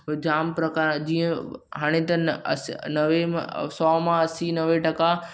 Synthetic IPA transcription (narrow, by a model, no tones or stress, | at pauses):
d͡ʑaːmpɾɐkad͡ʑiːə̃ɦaːɽ̃et̪ɐ̰snɐʋem̰̃sɔːmãɐsinɐʋeʈɐka